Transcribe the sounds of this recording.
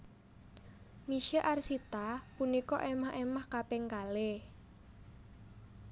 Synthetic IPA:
miʃeʔarsit̪apunikɔʔemahemahkapeŋkale

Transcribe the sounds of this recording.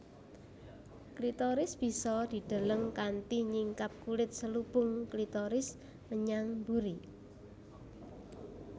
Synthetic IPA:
klit̪ɔɾɪsb̥i̤sɔd̪̥i̤d̪̥a̤ləŋkant̪iɲiŋkap̚kulɪt̪̚səlub̥ʊŋklit̪ɔɾɪs | məɲaŋmbuɾi

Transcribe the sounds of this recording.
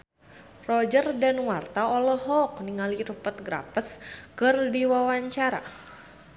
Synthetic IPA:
rɔd͡ʒərdanwart̪aɔlɔɦɔk̚niŋaliɾupət̪̚ɡɾa̰pəskɨrdiwawaɲt͡ʃaɾa̰

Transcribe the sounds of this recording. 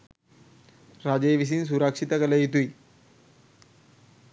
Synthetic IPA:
ɾad͡ʑeʋis̬iːns̬uɾakʂit̪akələit̪ui

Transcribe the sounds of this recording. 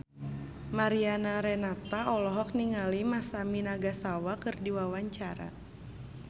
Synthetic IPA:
maɾianaɾɛnat̪aɔlɔɦɔk̚niŋalimasaminaɡasawakɨrdiwawaɲt͡ʃaɾa̰

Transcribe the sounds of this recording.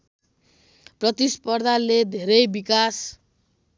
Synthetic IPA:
prʌt̪ispʌrd̪ʱaled̪ʱeɾʌjbikas

